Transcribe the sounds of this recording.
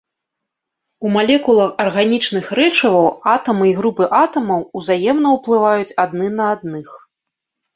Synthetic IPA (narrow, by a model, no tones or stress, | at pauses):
umalʲɛkulˠɐxɐrɣanʲit͡ʂnɨxɾɛt͡ʂɐvɐwat̪ɐmɨiɣɾupɨʔat̪ɐmɐwuzajɛmn̪ɐwplˠɨvajut͡sʲad̪nɨnɐad̪̚nɨx